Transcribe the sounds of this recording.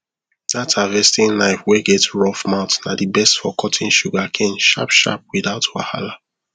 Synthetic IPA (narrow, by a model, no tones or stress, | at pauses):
datʰavɛstĩŋnaɪfweɡɛtɹɔfmaʊtnadibɛstfɔkʰɔtʰĩŋʃuɡakʰɛ̃nʃa̰pʃa̰p̚wiðaʊtwaha̰la